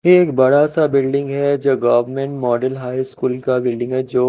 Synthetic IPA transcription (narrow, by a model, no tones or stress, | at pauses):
jeːkbɐɽasabɪlɖɪ̃ŋɡɦɛd͡ʒoːɡɐʋəɾmẽɳʈmɔːɖəlɦaːiskuːlkabɪlɖɪ̃ŋɡɦɛd͡ʒoː